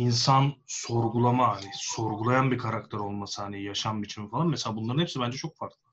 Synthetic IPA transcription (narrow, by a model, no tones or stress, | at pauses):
insanso̞ɾɡulˠamaɦanɪso̞ɾɡulˠajanbikʰaɾakt̪ʰɛɾo̞lˠmasɯaɦanijaʃambit͡ʃʰinfalˠanmɛselʲaːbunlˠaɾɯnepsibænd͡ʒɛt͡ʃʰo̞k̚faɾk̪lˠɯ